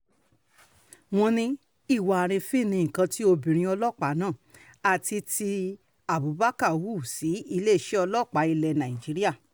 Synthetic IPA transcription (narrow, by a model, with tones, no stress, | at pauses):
w̃ɔ̃˧nĩ˧ | i˦˨wa˨a˨ɾ̃ĩ˧fĩ˦˨nĩ˧˨ŋ̩˨kã˧ti˦o˧bĩ˨ɾ̃ĩ˧ɔ˧lɔ˦˨k͡pa˨˦nãː˦˨ | a˨ti˧ti˧ | a˨bu˨˦ba˦ka˦˨wu˦˨si˨˦i˧le˦˨ʃɛ˦ɔ˧lɔ˦˨k͡pa˨˦i˧lɛ˧nã˨i˨d͡ʒi˨˦ɾi˦a˦˨